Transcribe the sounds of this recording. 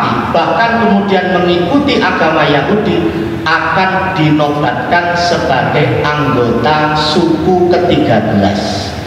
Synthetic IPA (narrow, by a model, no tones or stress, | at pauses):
ib̥ahkankəmudianməŋikut̪iʔaɡ̥amajaɦudi | akand̥inɔbat̪̚kansəb̥aɡajʔaŋɡot̪asukukət̪iɡ̥abəla̰s